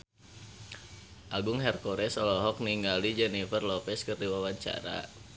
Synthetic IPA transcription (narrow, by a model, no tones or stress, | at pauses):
ʔaɡʊŋɦɛrkɔɾɛsɔlɔɦɔk̚niŋɡalid͡ʒɛnifərlɔpɛskɨrdiwawaɲt͡ʃa̰ɾa̰